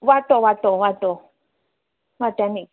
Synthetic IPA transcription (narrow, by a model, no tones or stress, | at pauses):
wat̪owat̪owato | wat̪ani